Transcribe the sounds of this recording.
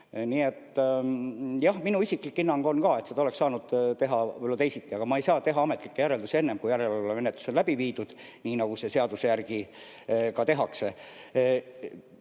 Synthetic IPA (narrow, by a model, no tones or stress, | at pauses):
niːet̪ː | jɑhminuisikˑlikːˑinːɑŋɡ̥o̞nkɑːe̞t̪sed̪ɑoleksɑːnud̪̥t̪e̞ɦɑlot̪e̞jsit̪ːiɑɡ̥ɑmɑe̞jsɑːt̪e̞ɦɑɑmet̪ːˑlikːe̞jæɾe̞ld̪usie̞nːemkujæɾeloleme̞net̪lu̥so̞nlæb̥iviːd̪̥ud̪̥ | niːnɑɡ̥use̞se̞ɑd̪usejærɡ̥i | kɑt̪e̞ɦɑkse̞